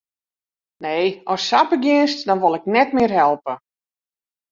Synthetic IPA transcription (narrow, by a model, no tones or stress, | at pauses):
nejʔɔsːapəɡjɪnstdɔnʋolˠɪk̚nɛtmɪərɦɛlˠpə